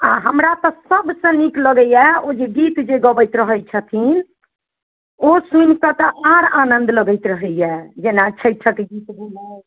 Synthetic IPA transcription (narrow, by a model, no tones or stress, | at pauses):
ãɦəmɾat̪ɔsəbsə̃nikləɡəjɛod͡ʒeɡit̪d͡ʒeɡəbəjt̪ɾəɦət͡ʃʰət̪ʰin | osunkət̪ɔʔaɾanənd̪ləɡəjt̪ɾəɦəjjɛd͡ʒenat͡ʃʰəjt͡ʃʰəkeɡit̪belɛ